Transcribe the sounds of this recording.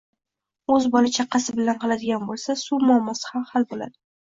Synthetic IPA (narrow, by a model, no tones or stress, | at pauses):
ɵzbɒlɪt͡ʃʰaqʰːɑsɪbɪlanqʰɑlad̪ɪɡʲanbolˠsasumʊamːɒsɪ̥hamhalbola̰d̪ɪ